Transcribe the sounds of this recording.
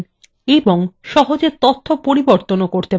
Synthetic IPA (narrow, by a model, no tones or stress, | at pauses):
eboŋʃɔɦod͡ʑet̪ot̪ʰːopoɾiboɾt̪onokoɾt̪e